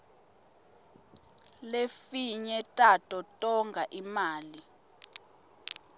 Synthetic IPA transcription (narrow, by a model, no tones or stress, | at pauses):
lefiɲɛtʼatʼɔtʼɔŋɡʱaʔimaːli